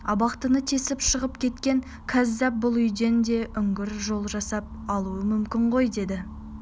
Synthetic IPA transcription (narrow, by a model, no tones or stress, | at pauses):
ɑbɑqt̪ənət̪ʰe̞sɪpʃəʁəpkʲʰe̞t̪kʲe̞ŋ | kʲʰæzːæp̚bʊlˠʏjd̪e̞nd̪e̞ʔʏŋɡʲɪɾʒo̞lˠʒɑsɑp̚ɑlˠuəmʏmkʲɪɴʁo̞jd̪e̞d̪ɪ